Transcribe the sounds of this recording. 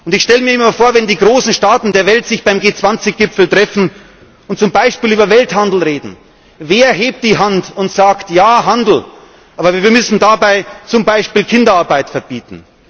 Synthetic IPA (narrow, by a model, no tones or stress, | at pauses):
ʔʊntɪçʃtɛləmiːɐɪmɐfoːɐvɛndiːɡʁoːsn̩ʃtaːtn̩deːɐvɛltz̥ɪçb̥aɪmɡeːt͡sv̥ant͡sɪçɡ̥ɪpfl̩tʁ̥ɛfn̩ | ʊnt̚t͡sʊmbaɪʃpiːlyːbɐvɛlthandl̩ʁeːdn̩ | veːɐɦeːp̚t̚d̥iːɦantʊntz̥aːktjaːɦandl̩ | ʔaːbɐviːviːɐmʏsn̩dabaɪt͡sʊmbaɪʃpiːlkʰɪndɐaɐbaɪtfɛɐb̥iːtn̩